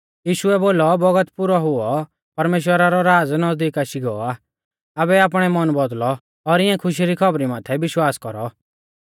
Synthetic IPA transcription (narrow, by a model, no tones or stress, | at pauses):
jiːʃuɛboːlɔbɔɡət̪pʊɾɔɦʊɔ | pɐɾmeːʃ̬wəɾaɾɔɾaːd͡znɐzd̪iːkaʃiɡɔɔaː | abɛaːp̬ɽ̃ɛmɔnbɔd̪lɔ | ɔɾɪãkʰʊʃ̬iɾikʰɔbɾimaːt̪ʰɛbɪʃwaːskɔɾɔ